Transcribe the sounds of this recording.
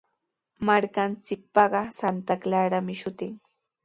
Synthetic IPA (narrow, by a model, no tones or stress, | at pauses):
maɾkant͡sɪk̚pɑɢɑsant̪aklaɾamɪʃʊt̪ɪŋ